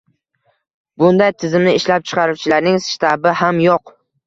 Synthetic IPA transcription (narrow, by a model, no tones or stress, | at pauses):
bʊnd̪ajt̪ʰɪzɪmnɪɪʃlap̚t͡ʃʰɨ̥qʰɑɾuwt͡ʃʰɪlaɾnɪŋst̪ʰabɪhamjoq